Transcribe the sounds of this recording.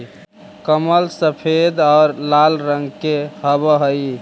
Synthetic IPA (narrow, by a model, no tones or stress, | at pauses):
kəməlsəpʰed̪aːɾlalɾəŋɡkeɦəbəɦəj